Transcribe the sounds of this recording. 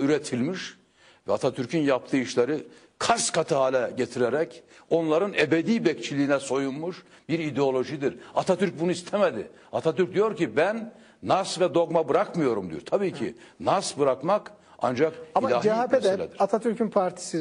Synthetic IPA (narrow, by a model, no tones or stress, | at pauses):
yɾet̪ʰilʲmiʃ | vɛat̪ʰat̪ʰyɾcʰynjap̚t̪ʰɯːiʃlˠaɾɯ | kʰaskʰat̪ʰɯɦaːlʲɛɟet̪ʰiɾeɾɛco̞nlˠaɾɯnebed̪iːbɛct͡ʃʰilʲiːnɛso̞junmuʃ | biɾid̪eo̞lʲˠo̞ʒid̪iɾat̪ʰat̪ʰyɾc̚bunuist̪ʰɛmɛd̪ɪ̰ | at̪ʰat̪yɾc̚d̪ijo̞ɾcibænː | asvɛd̪o̞ɡmabɯɾakmɯjo̞ɾumd̪ijoɾt̪ʰabiːcʰḭ | nasbɯɾakmak | a̰nd͡ʒakailʲaːhd͡ʒiaeɛlʲɛd̪iɾat̪ʰat̪ʰyɾcynpʰaɾt̪ʰi̥si